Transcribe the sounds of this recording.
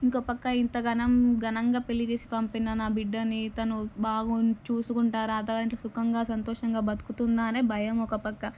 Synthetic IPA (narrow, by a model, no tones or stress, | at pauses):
iŋkoːpɐkːɐint̪ɐɡɐnɐmɡɐnɐŋɡaːpelːit͡ʃe̞ːsi̥pɐmpinɐnaːbiɖːɐnit̪ɐnubaːɡut͡ʃuːsukuɳʈaːɾaɐd̪ɐːɡaːɐiɳʈlɐːsukɐŋɡaːsɐnt̪ɔːʂɐŋɡaːbɐd̪u̥kut̪und̪aːneːbʱɐjɐmɔkɐpɐkːɐ